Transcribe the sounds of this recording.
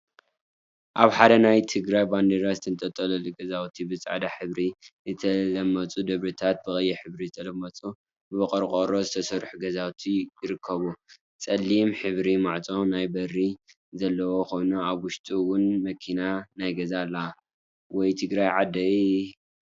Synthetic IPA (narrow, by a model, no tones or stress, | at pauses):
ʔaβħad̪ɐnajt̪ʰɨɡɾajband̪eɾazɨt̪ʰɨnt̪ʼɐt̪ʼːɐlɐlɨɡɐzawt̪ʰibɨt͡sʼa̰ʕd̪aħɨβɾizɨt̪ʰɐlɐmːɐt͡sʼud̪ɨβɾɨt̪ʰat̪̚bɨxʼɐjːɛħɨβɾizɨt̪ʰɐlɐmːɐt͡sʼu | bɨbɐkʼɐɾkʼoɾozɨt̪ʰɐsɐɾħuɡɐzawt̪ʰijɪɾɨkʰːɐβu | t͡sʼɐlːimħɨβɾimaʕt͡sʼo̞najbɐrːi | zɐlːɐwoxo̞jnuaβwʊʃt̪ʼiwʊnmɐkʰinanajɡɐzalːa | wɔjt̪ʰɨɡɾajʕad̪ɐ